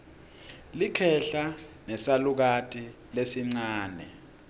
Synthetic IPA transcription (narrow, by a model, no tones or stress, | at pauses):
likʰɛɬanɛsaluk̬atʼi | lesiŋ͡ǀaːnɛ̰